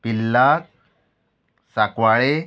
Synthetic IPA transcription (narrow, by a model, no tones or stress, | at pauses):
pilːak̚ | sakʋaɭe